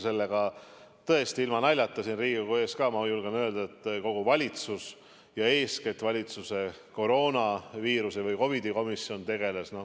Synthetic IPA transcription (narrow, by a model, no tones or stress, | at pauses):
se̞lːe̞ɡ̥ɑt̪ɤe̞st̪iilmɑnælʲjɑt̪ːˑɑsinriːɡikue̞ːskɑːmɑjulɡ̥enø̞ːld̪̥ɑet̪ːˑko̞ɡ̥uvɑlʲit̪sus | jɑe̞ːsket̪vɑlʲit̪suse̞ko̞ɾo̞ːnɑviːɾuse̞vɯjko̞vid̪iko̞misːio̞nt̪e̞ɡ̥e̞lesno̞